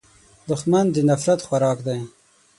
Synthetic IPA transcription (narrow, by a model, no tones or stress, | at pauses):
d̪ʊxmand̪ənafɾat̪xwaɾɑːkd̪aj